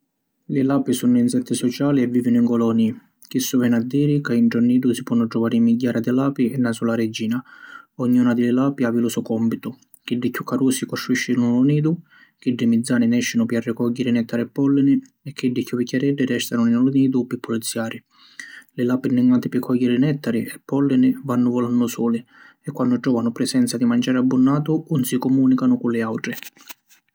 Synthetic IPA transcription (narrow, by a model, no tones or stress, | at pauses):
lɪlaːpisunːʊinsɛt̪ʰːɪsɔt͡ʃaːliɛvːiːvinʊiŋkɔlɔni | k̟isːʊvɛnad̪ːiːɾikainʈɾɔnːiːd̪ʊsipwɔnːʊdɾɔvaːɾimːiɟːaːɾad̪ɪlaːpiɛnːasulaɾɛd͡ʒːiːnaɔɲːuːnad̪ɪlɪlaːpiavilusʊkɔmpit̪ʊ | k̟iɖːɪkːukʰːaɾuːsikɔsɾuiʃːɪnuluniːd̪ʊ | k̟iɖːɪmid̪zːaːnɪnɛʃːɪnʊpjarːɪkɔɟːɛɾɪnɛt̪ʰːaɾɪɛpːɔlːɪnɪ | ɛkʰːiɖːɪkːuvicʲːaɾɛɖːɪɾɛst̪anʊinalʊniːd̪ʊpːɪpːʊlit̪sːjaːɾɪ | lɪlaːpɪnːɪŋɡant̪ɪpɪkʰːɔjːɛɾɪnɛt̪ːaɾɪɛpːɔlːɪnɪvanːʊvɔlanːʊsɔːlɪ | ɛkːwanːʊd͡ʒɔːvanʊpɾɛsɛnt̪sad̪imand͡ʒaːɾɪabːʊnːaːt̪ʊunsikɔmuːnikanʊkʊlɪawʈɾɪ